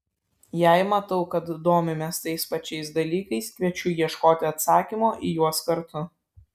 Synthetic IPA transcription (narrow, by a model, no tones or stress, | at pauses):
jæɪmɐt̪ɐʊkɐt̪d̪oːmʲɪmʲeːst̪ɐɪspɐt͡ʃʲɛɪsd̪ɐlʲiːkɐɪskʲʋʲiɛt͡ʃʲʊjiɛʃkoːt̪ʲɪɐt̪sɑːkʲimoːʔijuɔskɐɾt̪ʊ